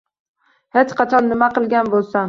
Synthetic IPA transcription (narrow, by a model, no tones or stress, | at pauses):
het͡ʃqʰɑt̪ʰɒnːɪmaqɨlˠɡʲanbolˠsam